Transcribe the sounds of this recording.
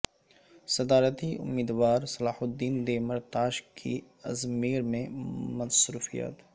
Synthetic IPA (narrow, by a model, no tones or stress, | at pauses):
sɐd̪aːɾət̪iʊ̰mːiːd̪ʋaːɾsɐlaːhʊd̪ːiːnd̪emɐɾt̪aːʃkʰḭ | ɐzmiːɾmẽmɐnsɾṵːfḭjə̰t̪